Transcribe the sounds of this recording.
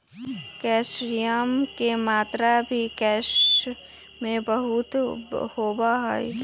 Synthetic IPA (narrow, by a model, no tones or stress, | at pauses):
kɛːʃɾijəmkemaːt̪ɾabʱikɛːʃ | mẽbəɦʊt̪hoːbaɦɛi